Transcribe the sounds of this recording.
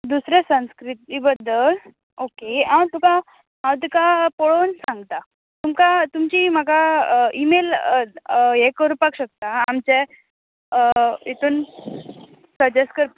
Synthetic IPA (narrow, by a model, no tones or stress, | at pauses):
d̪usɾesə̃nskɾit̪ibəd̪ʱːəl | okeãwt̪uka | ɦãwt̪ikapoɽonsãŋɡt̪a | t̪umkat̪umt͡ɕim̤əkaimel | ekɾupakɕək̚t̪aamt͡ɕe | et̪ʰuːn | səd͡ʑeskəɾ